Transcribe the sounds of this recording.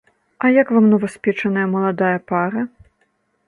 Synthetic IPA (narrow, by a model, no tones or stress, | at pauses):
ɐjakvamnɐvɔsʲpʲɛt͡ʂɐnɐjɐmɐlˠad̪ajɐpaɾɐ